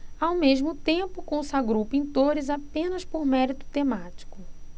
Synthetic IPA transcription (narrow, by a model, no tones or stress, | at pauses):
awmeʒmʊt̪ẽpʊkõsaɡɾowpĩnt̪oɾɪzapẽnɐspoɾmɛɾit̪ʊ̥t̪ẽmat͡ʃi̥kʊ